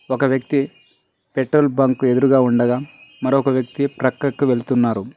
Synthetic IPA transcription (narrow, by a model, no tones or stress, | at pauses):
ɔkɐʋjɐk̚t̪i | peʈɾoːlbɐŋkue̞d̪uɾuɡaːuɳɖɐɡaːmɐɾoɔkɐʋjɐk̚t̪ipɾɐkɾɐkːuʋelut̪unːaːɾu